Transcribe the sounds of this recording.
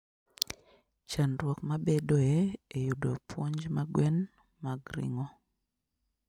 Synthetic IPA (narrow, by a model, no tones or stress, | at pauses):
t͡ʃanɾwɔkmabedoɛejudopʰwɔɲd͡ʒmaɡwɛn | maɡɾḭŋɔ